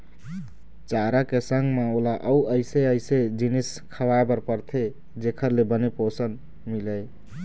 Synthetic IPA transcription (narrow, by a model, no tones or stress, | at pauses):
t͡ʃaɾakesəŋɡmeolaʔəuəɪseəɪsed͡ʒinis | kʰəwaebəɾpəɾt̪ʰe | d͡ʒekʰəɾlebəneposən | miləj